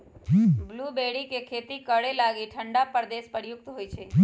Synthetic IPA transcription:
ɦblubeɽikekʰet̪ikəɽelaɡiʈʰəɳɖapəɾd̪espəɾjuk̚t̪ɦojt͡ʃʰe

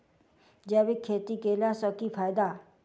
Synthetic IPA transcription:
d͡ʒɛːʋekʰːeːt̪ikeːlasɔkipʰaːjd̪a

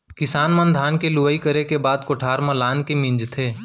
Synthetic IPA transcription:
kɪsaːnmə̃nd̪ʱaːnkelʊʋəikəɾekebaːd̪koʈʰaːɾmãlaːnkemɪ̃nd͡ʒt̪ʰeː

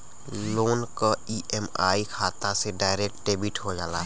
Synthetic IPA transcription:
loːnkaiʔɛmaːikʰaːt̪aseɖaːɪɾeːk̚ʈʈeːbiʈɦod͡ʒaːla̰ː

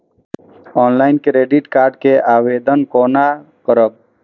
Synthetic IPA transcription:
ɔːnlaːjnkɾeːɖiʈkaːɾɖkeʔaːʋeːd̪ənkoːna | kəɾəb̚

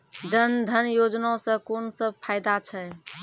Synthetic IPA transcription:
d͡ʒənd̪ʱənjod͡ʒnasə̃konsəb̚pʰajd̪at͡ʃʰɛ

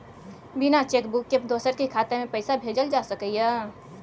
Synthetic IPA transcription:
binat͡ʃekbukːepd̪osəɾkekʰat̪emẽpəɪsabʱed͡ʒəld͡ʒasəkəjə

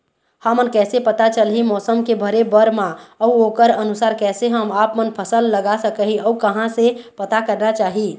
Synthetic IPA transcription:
hamənkɛːsepət̪at͡ʃəlɦimɔːsəmkebʱəɾebəɾmãəuokəɾənusaːɾkɛːseɦəmapmənpʰəsəlːəɡasəkəɦiəukəɦãsẽpət̪akəɾnat͡ʃaːɦi

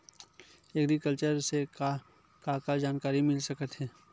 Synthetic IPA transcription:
eɡɾikəlt͡ʃəɾseka | kakad͡ʒaːnkaːɾimɪlsɐkət̪ɦɛː

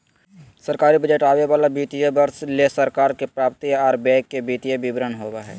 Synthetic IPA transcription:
səɾkaːɾibəd͡ʒeːʈaːʋeʋaːlabiːt̪ijəbəɾslesəɾkaːɾkepɾaːp̚t̪ijaːɾbɛ̃ːkːebiːt̪ijəbɪbɾənɦoːbaɦɛ̰ː

